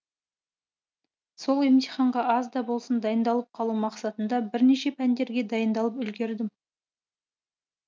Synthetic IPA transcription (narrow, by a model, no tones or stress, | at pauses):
so̞lˠemt̪ijχɑɴʁɑʔɑzd̪ɑbo̞lˠsənd̪ɑjənd̪ɑlˠəp̚qʰɑlˠumɑqsɑt̪ənd̪ɑbɪɾne̞ʃe̞pʰænd̪e̞ɾɡʲe̞d̪ɑjənd̪ɑlˠəpʏlɡʲe̞ɾd̪ɪm